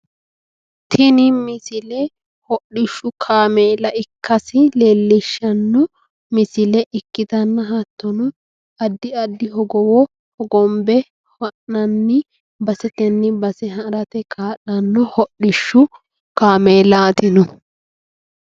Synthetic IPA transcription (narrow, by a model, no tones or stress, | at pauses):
t̪ʰɪnɪmɪsɪlɛ | hɔɗɪʃːʊkʰaːmeːlɐɪkːɐsɪleːlːɪʃːɐnːɔ | mɪsɪlɛʔɪkːɪt̪ɐnːɐɦɐt̪ːɔnɔ | ɐd̪ːɪɐd̪ːɪɦɔɡɔwɔ | hɔɡɔmbɛ | wɐʔnɐnːɪ | bɐsɛt̪ɛnːɪbɐsɛɦɐɾɐt̪ɛkʰaːɗɐnːɔhɔɗːɪʃːʊ | kaːmeːlaːt̪ɪnɔ